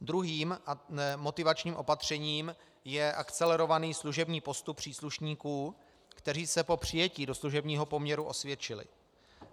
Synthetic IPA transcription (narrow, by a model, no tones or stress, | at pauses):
d̪ɾuɦiːmnɛmo̞t̪ɪvat͡ʃɲiːmʔo̞pat̪r̝̥ɛɲiːm | jɛʔakt͡sɛlɛɾo̞vaniːsluʒɛbɲiːpo̞st̪uppːr̝̥iːsluʃɲiːkuː | kt̪ɛr̝iːsɛpo̞pr̝̥ɪjɛciːdo̞sluʒɛbɲiːɦo̞po̞mɲɛɾuʔo̞svjɛt͡ʃɪlɪ̰